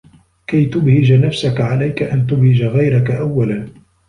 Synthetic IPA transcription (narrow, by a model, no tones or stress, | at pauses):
kajt̪ʊbhɪd͡ʒanafsakaʕalajkaʔant̪ʊbhɪd͡ʒaɣajɾakaʔawːalan